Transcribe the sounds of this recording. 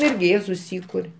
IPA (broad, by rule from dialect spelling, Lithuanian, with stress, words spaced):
ˈɪrʲɡʲɪ ˈjiɛ sʊˈsʲiːkʊrʲ